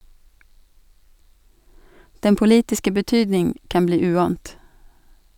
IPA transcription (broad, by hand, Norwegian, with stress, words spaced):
ˈdɛn pʊˈliːtɪskə bəˈtyːdnɪŋ ˈkɑn ˈbliː ˈʉːɑːnt